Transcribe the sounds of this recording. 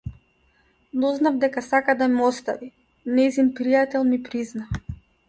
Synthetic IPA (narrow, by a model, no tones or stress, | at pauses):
nɔznavd̪ɛkasakad̪aimɔst̪a̰vi | nɛzimpɾijat̪ɛlˠmipɾizna